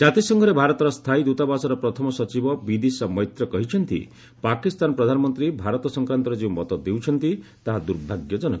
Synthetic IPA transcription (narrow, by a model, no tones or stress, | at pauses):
d͡ʒat̪isɔŋɡʱɔɾebʱaɾɔt̪ɔɾɔst̪ʰajd̪ut̪abasɔɾɔpɾɔt̪ʰɔmɔsɔt͡ʃibɔbid̪isɔmɔjt̪ɾɔkɔɦit͡ʃʰɔnt̪ḭ | pakist̪anɔpɾɔd̪ʱanɔmɔnt̪ɾibʱaɾɔt̪ɔsɔŋkɾant̪ɔɾed͡ʒẽmɔt̪ɔd̪ewt͡ʃʰɔnt̪i | t̪aɦad̪uɾbʱaɡjɔd͡ʒɔnɔk